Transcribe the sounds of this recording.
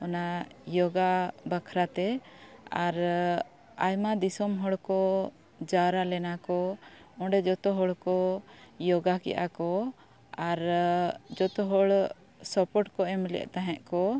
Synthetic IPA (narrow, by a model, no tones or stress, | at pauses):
ɔnajɔɡabakʰɾat̪ɛaɾ | ajmad̪isɔmɦɔɽkɔ | d͡ʒaɾalɛnakɔɔ̃ɖɛd͡ʒɔt̪ɔɦɔɭkɔjɔɡakɛ̰ʔa̰kɔ | aɾ | d͡ʒɔt̪ɔɦɔɭ | sɔpɔʈkɔɛmlɛ̰ʔt̪aɦɛ̃ʔkɔ